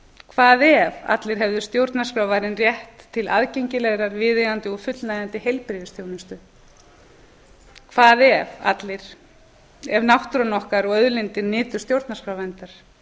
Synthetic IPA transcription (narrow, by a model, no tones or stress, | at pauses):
kʰvaːðɛva̰t̪lɪɾ̥ɦɛvðʏst̪jowɾt̪naskɾawvajɾɪnrjɛht̪ʰːɪla̰ðcejɲcɪlɛɣɾaɾvɪːðɪɣant̪ɪɔfʏt̪lnajðant̪ɪhejlpɾɪvɪst̪jownɪst̪ʏ | kʰvaːðɛva̰t̪lɪɾ̥ | ɛvnawht̪ɾɔnɔhkaɾɔɣœðlɪnt̪ɪɾnɪːt̪ʏ̥st̪jowɾt̪naskɾawvɛnt̪aɾ̥